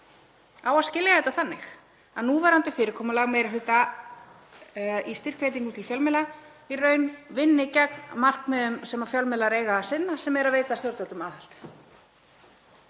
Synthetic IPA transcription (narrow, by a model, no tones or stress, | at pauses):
aːwaðscɪljahɛt̪aθanːɪx | aðnuːvaɾant̪ɪfɪːɾɪɾ̥kʰɔːmʏlaɣmeːjɾaɦ̪ʏt̪a | ist̪ɪr̥kʰveːjt̪̬iŋkʏmt̪ʰɪlfjœlmɛla | irœːɥnvɪnːɪcɛk̚nmar̥kmɛðʏmsɛmafjœlmɛlaɾeːjɣasɪnːasɛmɛɾaveːjt̪ast̪jɔwɾt̪alt̪ʏmaːðhal̥t̪